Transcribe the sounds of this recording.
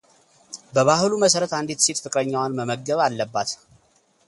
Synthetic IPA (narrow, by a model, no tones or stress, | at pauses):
bəβahluməsəɾət̪and̪it̪set̪fɨkʼɾəɲːawanməməɡəβalːəbːat̪